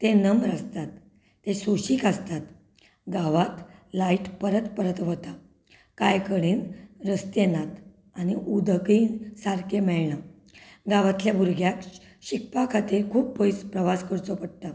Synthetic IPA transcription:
t̪enəmɾast̪at̪ː | esoɕiːkast̪at̪ | ɡaʋat̪laiʈpəɾət̪pəɾət̪ʋət̪a | kajkəɽiːnɾəst̪jenat̪ | aniʔud̪ʱəkiːnsaɾkʰemɛɭɳa | ɡaʋat̪ljabuɾɡʱjak | ɕik̚pakʰat̪iɾkʰuːppojt͡spɾəʋaskəɾt͡sɔpəɽt̪a

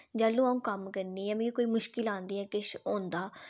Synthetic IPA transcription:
d͡ʒaːlũːaũːkəmkəɾniːɛ̃ːm̃ːikoːiːmʊʃkɪlãːnd̪iːɛ̃ːkɪʃõːnd̪aː

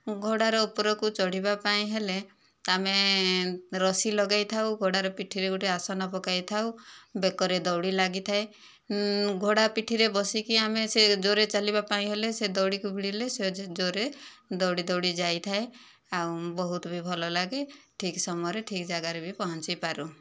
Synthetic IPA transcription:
ɡʱoɽaɾɔupɔɾɔkut͡ʃɔɽ̤ibapaĩɦele | ame | ɾɔsilɔɡajt̪ʰawɡʱoɽaɾɔpiʈʰiɾeɡuʈiasɔnapɔkajt̪ʰawbekɔɾed̪ɔwɽilaɡit̪ʰae | ɡʱoɽapiʈʰiɾebɔsikiamesed͡ʒoɾet͡ʃalibapaĩɦelesed̪ɔwɽikubʱiɽilesed͡ʒoɾe | d̪ɔwɽid̪ɔwɽid͡ʒajt̪ʰae | awbɔɦut̪ɔbʱibʱɔlɔlaɡe | ʈʰiksɔmɔjɔɾeʈʰikd͡ʒaɡaɾebʱipɔɦɔnt͡ʃipaɾu

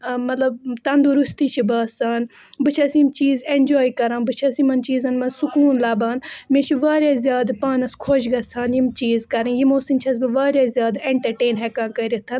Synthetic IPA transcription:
mɐt̪lɐb̚t̪ɐnd̪uɾust̪iːt͡ʃʰibɐːsaːn | bɨt͡ʃʰɐsjimt͡ʃiːzeɳd͡ʒoːjkɐɾãːnbɨt͡ʃʰɐsimɐnt͡ʃiːzɐnmɐsukuːnlaːbaːnmẽt͡ʃʰiʋaːɾʲjaːzʲjaːd̪paːnɐskʰoːʃɡɐsʰaːnjimt͡ʃiːzkɐɾijimoːsint͡ʃʰɐs̬bɨʋaːɾʲjaːzʲjaːd̪eɳʈɐɾʈeːnɦekãːnkɐɾit̪ʰɐn

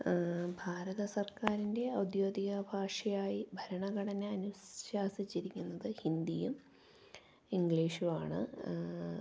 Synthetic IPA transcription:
bʱaːɾɐðɐsɐrkaːɾinde̞ɐwd̪jo̞ːd̪iɣɐbʱaːʂɐjaːjibʱɐɾɐɳɐɡɐɽɐneɐnuɕɕaːsit͡ɕːiɾikʲːunːɐðɨhind̪ijum | iŋɡɭiːʂuʋaːɳɨ̰

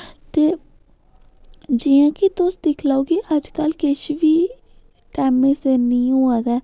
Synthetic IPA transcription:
t̪eː | d͡ʒiːjãːkɪt̪ʊsd̪ɪkʰlaːoːɡiʔəd͡ʒkəlkɪʃʋiː | ʈɛːmẽːseːnĩːɦoːaːd̪ɛː

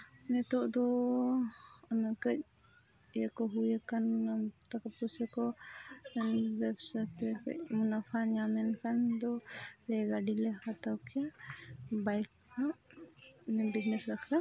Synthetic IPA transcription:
nɛt̪ɔʔd̪ɔ | ɔnakəc̚ | jakɔɦujakanmunat̪akapusɛkɔɛnbɛbsat̪ɛkə̰c̚munapʰanjamɛnkand̪ɔlɛɡaɖilɛhat̪awkija | bajk̚ | naʔ | nɛbid͡ʒnɛsɾakʰla

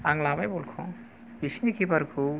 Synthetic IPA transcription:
aŋlabajbolkʰɔ̃ | pisnikʰipəɾkʰu

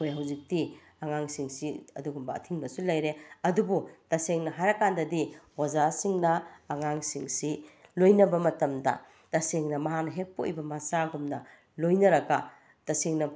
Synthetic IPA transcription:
ojɦawzik̚ti | aŋaŋsiŋsiɐ̰duɡumbɐtʰiŋbɐsulɐjɾeɐdubutɐseŋnɐɦajɾɐkːandɐdiwazasiŋnɐːŋaŋsiŋsilojnɐbɐmɐtɐmdɐ̰ | tɐseŋnɐmɐɦanɐɦek̚po̰ʔjbɐmɐsaɡumnɐ | lojnɐɾɐɡɐ | tɐseŋnɐ

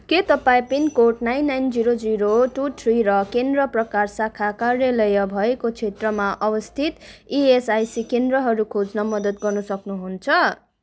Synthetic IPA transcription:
ket̪ʌpaĩpinikoʈnajnːajnd͡ziɾod͡ziɾoʈut̪ʰriɾʌkend̪rʌprʌkarsakʰakarjelʌjʌbʱʌekot͡sʰet̪rʌmaʔʌbʌst̪ʰit̪iesajsikend̪rʌɦʌɾukʰod͡znʌmʌd̪ʌt̪ɡʌrnʌsʌknuɦunt͡sʰʌ

